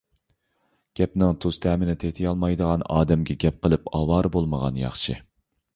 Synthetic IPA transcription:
ɡ̥ʲɛpnɪŋt̪ʰuz̥t̪ʰɛːmɪnɪt̪ʰeht̪ʰɪjɑlˠmɑjd̪əʁɑnɑ̰ːd̪ɛmɡʲɛɡʲɛp̚qəlˠɨpɑwɑːɾbolˠməʁɑnjɑ̰χʃɨ̰

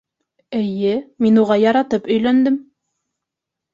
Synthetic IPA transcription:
ɘ̆jɘminuʁɑjɑɾɑt̪ɤpɵ̆jlænd̪ɘm

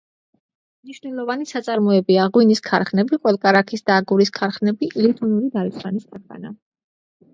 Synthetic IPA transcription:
mniʃvnɛlˠɔvanisat̪sʼaɾmɔɛbiaʁwiniskʰa̰ɾχnɛbiqʼwɛlˠkʼaɾakʰisd̪̥aːɡuɾiskʰaɾχnɛbiʔilit̪ʰɔnuɾid̪aɾisχaniskʰaɾqʼa̰na̰

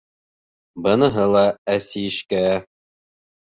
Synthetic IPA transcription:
bɤ̆nɤ̆ɦɤlˠɑæsiɘ̆ʃkæ

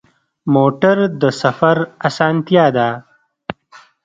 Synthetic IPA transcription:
moːʈəɾd̪əsɐfaɾasaːnt̪jaːd̪aː

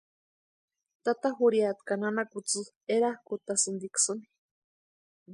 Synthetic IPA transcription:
t̪at̪aɦuɾiat̪kananakut͡sɨ | eɾahkut̪asɨnd̪iksɨni̥

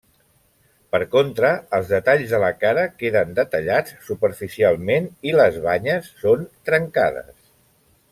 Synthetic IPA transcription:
pəɾkont̪ɾəːlˠzðət̪aʎzðələkaɾəkeðənd̪ət̪əʎat͡sːupəɾfisialˠmeniləzβaɲəsːont̪ɾəŋka̰ðə̰s

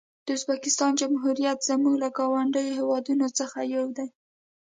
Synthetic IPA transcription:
d̪̥əʊzbakɪst̪ɑnd͡ʒamɦuɾijat̪z̥əmuɡlaɡɑwaɳɖəjoɦewɑd̪unot͡səxajawd̪aj

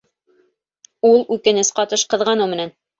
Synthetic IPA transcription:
ulˠʉkɘ̆nɘsqɑt̪ɤʃqɤ̆ðʁɑnɤmɘ̆næn

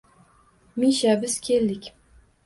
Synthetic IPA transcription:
miʃabɪz̥kʲʰeld̪ɪkʲ

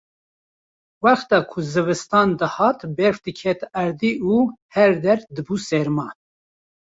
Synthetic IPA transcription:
wæxt̪ɑːkʰuzɨvɨst̪ɑːnd̪ɨhɑːt̪bɛɾfd̪ɨkʰɛt̪æɾd̪iːʔuːhɛɾd̪ɛɾd̪ɨbusɛɾmɑː

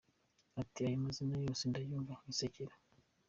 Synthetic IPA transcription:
atiajimazinajo̞ːsendajuːɱvaiseciɾa

